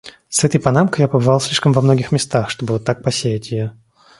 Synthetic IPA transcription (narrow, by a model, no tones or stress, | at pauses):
sɛt̪əjpɐnamkəjapəbɨvɑlˠsʲlʲiʂkəmvɐmno̞ɡʲɪxmʲɪst̪axʂt̪o̞bəvot̪ːak̚pɐsʲejɪtʲɪjo